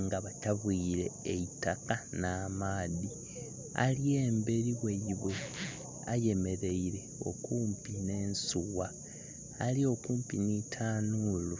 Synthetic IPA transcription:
ŋɡaβataβwiːɾe̞ːitakanaːmaːði | a̰lie̞ːmbe̞ɾiwe̞jiβe | a̰je̞me̞ɾe̞iɾe̞o̞̰kuːmpine̞ːnsuwaː | lio̞kuːmpḭnitʰaːnulu

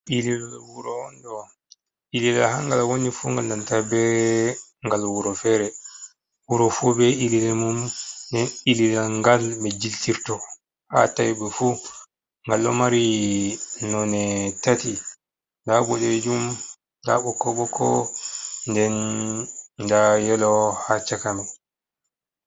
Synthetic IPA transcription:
ililawuɾɔndɔ | ililaɦaŋɡalawonifuŋɡaldantabɛ | ŋɡalwuɾɔfɛɾɛ | wuɾɔfubɛililɛmumdɛnililaŋɡalmɛd͡ʒiltiɾtɔ | ha̰tajibɛfu | ŋɡalːɔ̰maɾi | nɔnɛtati | daɓɔɗɛd͡ʒum | da̰ɓɔkɔɓɔkɔ | ndɛn | dajɛlɔhat͡ʃakamɛ

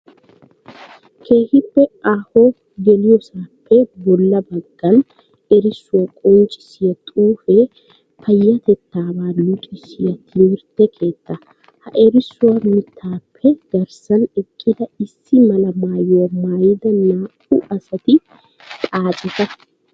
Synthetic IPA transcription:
kʰe̞ːhɪpːɛʔaːhoː | ɡɛlɪjɔsaːpːɛbɔlːɐbɐɡ̥ːɐn | ɛɾɪsːʊwɐkʼɔnt͡ʃʼːɪ̥sɪjɐt̪ʼuːfɛ | pʰɐjːɐt̪ɛt̪ːaːbaːlʊkʼɪsɪjɐt̪ʰɪmɪɾt̪ːɛkʰe̞ːt̪ːɐ | hɐʔɛɾɪsːʊwɐmɪt̪ʰːaːpʰːɛɡ̥ɐɾsɐnɛkʼːɪd̪ɐɪsːɪmɐlɐmaːjʊwɐmaːjɪd̪ɐnaː | ʊʔɐsɐt̪ɪ | t̪ʼaːt͡ʃʼɪt̪ɐ

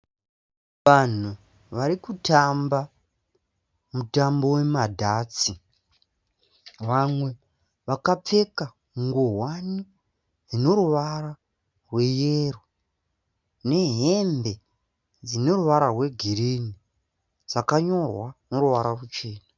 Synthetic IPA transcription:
ʋan̤u | ʋaɾikutʰamba | mutambo̞we̞madʱaːt͡si | ʋamwe̞ | ʋakap͡fe̞ka | ŋɡoɦwani | d͡zino̞ɾuʋara | rwe̞jero | ne̞ɦembe̞ | d͡zino̞ruʋaɾarwe̞ɡʱiɾini | d͡zakaɲo̞rwanoruʋaɾarut͡ʃe̞ːna

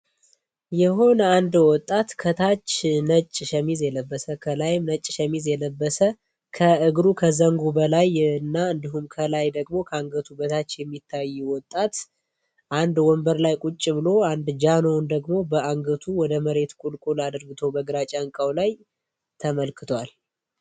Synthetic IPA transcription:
jɛho̞nəand̪wɔt̪ʼːat̪kʰət̪ʰat͡ʃːnət͡ʃʼːʃəmizjɛləbːəsəkʰəlajɪmnət͡ʃʼːʃɛmizjɛləbːəsə | kʰəʔɨɡɾukʰəzəŋɡubəlajɨnːaɨnd̪iɦumkʰəlajd̪əɡmo̞kʰəaŋɡət̪ʰubət̪ʰat͡ʃːjɛmːit̪ʰːajːɛwɔt̪ʼːat̪ | ʔand̪wɔmbəɾlajkʼut͡ʃʼːɪβɨlo̞and̪d͡ʒanond̪əɡmo̞bəaŋɡət̪ʰuwɔd̪əməɾe̞t̪kʼulkʼulad̪əɾɡɨt̪ʰo̞bəɡɾat͡ʃʼaŋkʼawlaj | t̪ʰəməlkɨt̪ʰwal

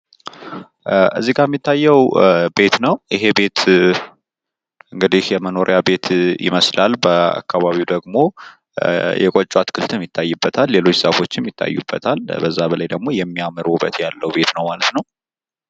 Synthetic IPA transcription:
ʔɨ̰zːiɡamːit̪ʰːajːɛwbe̞t̪nəwjʔɪɦe̞be̞t̪ | ʔɨŋɡɨd̪ihjɛməno̞ɾʔjabe̞t̪ʰjɪ̰məslalbəa̰kːaβaβiwd̪əɡmo̞ | jʔɛ̰kʼot͡ʃʼːwat̪kʰɨlt̪ʰɨmjɪt̪ʰːajːɨbːət̪ʰalːe̞lo̞t͡ʃːsəfo̞t͡ʃːɪmjɪt̪ʰːa̰jːṵbːət̪ʰalbəzːabəlajd̪əɡmo̞jɛmːiamɨɾubə̰t̪jalːəwbe̞t̪nəwmalət̪nəw

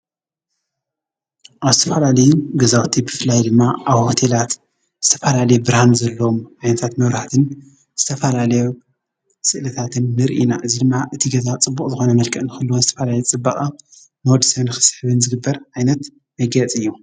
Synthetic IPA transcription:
ʔaβzɨt̪ʰɐfɐlalɐjuɡɐzawt̪ʰibɨflajd̪ɨmːaʔaβho̞t̪ʰelat̪ | z̥ɨt̪ʰɐfɐlalɐjubɨɾhanzɐlːɐomʕajnɐt̪ʰat̪mɐβɾaħt̪ʰɨn | z̥ɨt̪ʰɐfɐlalɐju | sɨʔlɐt̪ʰat̪ʰɨnːɨɾʔḭnaʔɨzid̪ɨmːaʔɨt̪ʰiɡɐzat͡sʼɨbːukʼzɨxo̞nɐmɐlkʰʼɐʔnɨxɨlːuwozɨt̪ʰɐfɐlalɐjt͡sʼɨbːɐχʼa | nɨwɔd̪ɨsɐβnɨxɨ̥sħɨβɨnzɨɡɨbːɐɾʕajnɐt̪ | mɐɡɐt͡sʼɨjːu

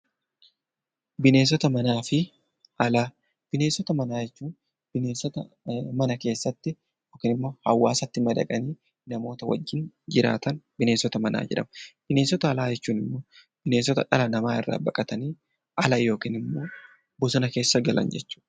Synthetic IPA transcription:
bɪne̞ːs̬ɔt̪ɐmɐnaːfɪ | ʔɐlaː | b̥ɪneːsːɔt̪ɐmɐnaːd͡ʒɛt͡ʃːuːn | b̥ɪneːsɔt̪ɐ | mɐnɐke̞ːsːɐt̪ːɪ | joːkiːnɪmːo̞ːhɐwːaːsɐt̪ːɪmɐd̪ɐ̰kʼɐniː | nɐmo̞ːt̪ɐwɐ̰d͡ʒːɪnd͡ʒɪɾa̰ːt̪ɐnbɪne̞ːsɔt̪ɐmɐnʔa̰ːd͡ʒɛ̰ᶑɐmɐb̥ɪne̞ːsɔt̪ɐːlaːd͡ʒɛt͡ʃːuːnɪmːoː | b̥ɪne̞ːsɔt̪ɐ̰ᶑɐlɐnɐmaːɪ̰rːa̰ːbɐkʼɐt̪ɐniː | ʔɐlɐjo̞ːkiːnɪmːo̞ː | bʊsʊnɐke̞ːsːɐɡɐlɐ̰nd͡ʒɛt͡ʃːu̥ːᶑɐ̥

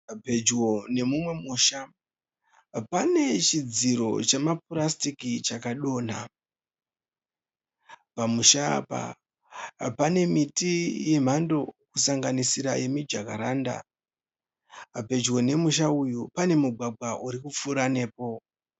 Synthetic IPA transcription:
pe̞d͡ʒwo̞ne̞mumwe̞muːʃa | pane̞t͡ʃid͡ziɾo̞̰t͡ʃemaprastikit͡ʃakaɗo̞ːn̤a̰ | pamuʃa̰ːpa̰ | pane̞mitijem̤ando̞kusaŋɡanisiɾaje̞mid͡ʒakaɾanda̰ | pe̞d͡ʒwo̞ne̞muʃ̬aujupane̞muɡʱaɡʱwaʔuɾikup͡fuɾane̞ːpo̞

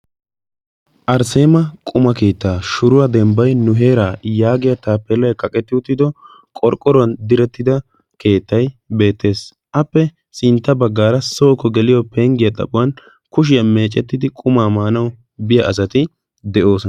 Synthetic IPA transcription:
ʔɐɾse̞ːmɐkʼʊmɐke̞ːt̪ːaːʃʊɾʊwɐd̪ɛmbɐjnʊɦe̞ːɾaːjaːɡɪjɐt̪aːpːɛlɐjkʼɐkʼɛt̪ːɪʊt̪ːɪd̪ɔ | kʼɔɾkʼːɔɾʊɐnd̪ɪɾɛt̪ːɪd̪ɐ | ke̞ːt̪ːɐjbe̞ːt̪ːe̞ːs | ʔɐpːɛ | sɪnt̪ːɐbɐɡːaːɾɐsoːkɔɡɛlɪjɔpeŋɡɪjɐt̪ʼɐ̰pʼʊwɐn | kʊʃ̬ɪjɐme̞ːt͡ʃʼːɛt̪ːɪd̪ɪkʼʊmaːmaːnɐw | bɪjɐʔɐs̬ɐt̪ɪ | d̪ɛʔo̞ːsɔ

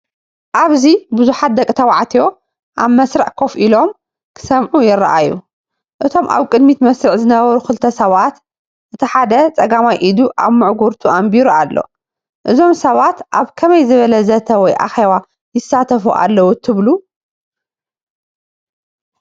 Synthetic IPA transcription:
ʔaβzibuzuħat̪̚d̪ɐkʼɨt̪ʰɐwaʕt̪ʰijo̞ | ʔaβmɐsɾɨʕkʰo̞fʔilo̞m | kʰɨ̥sɐmʕujɪrːa̰ʔajːu | ʔɨt̪ʰo̞mʔa̰βkʼɨd̪mit̪mɐsɾɨʕzɨnɐβɐɾukɨlt̪ʰɐsɐβat̪ | ʔɨt̪ʰiħad̪ɐt͡sʼɐɡamajʔid̪uʔaβmɨʕɡuɾt̪ʰuʔambiɾualːo̞̰ | ʔɨzo̞msɐβat̪ʔaβkʰɐmɐjzɨβɐlɐzɐt̪ʰɐwɔjʔa̰xeβa | jɪsːat̪ʰɐfuʔa̰lːɐwut̪ʰɨβlu

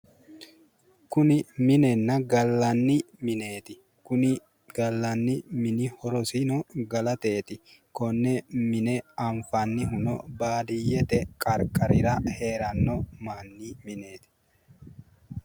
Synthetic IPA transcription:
kʊnɪmɪnɛnːɐɡɐlːɐnːɪ | mɪneːt̪ɪ | kʊnɪ | ɡ̥ɐlːɐnːɪmɪnɪhɔɾɔsɪnɔɡɐlɐt̪e̞ːt̪ɪkɔnːɛmɪnɛaɱfanːɪɦʊnɔ̰baːd̪ɪjɛt̪ɛkʼɐɾkʼɐɾɪɾɐheːɾɐnːɔmaːnːimɪne̞ːt̪ɪ̥

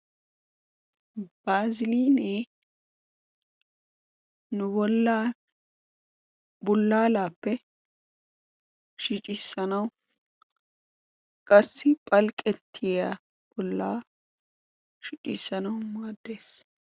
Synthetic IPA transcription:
b̥aːzɪliːneː | nʊbɔlːa | bʊlːaːlaːpːɛ | ʃɪt͡ʃʼɪsːɐnɐw | kʼɐsːɪpʼɐlkʼɛt̪ʰːɪja | b̥ɔlːaː | ʃɪt͡ʃʼɪːsːɐnɐwmaːd̪ːe̞ːs

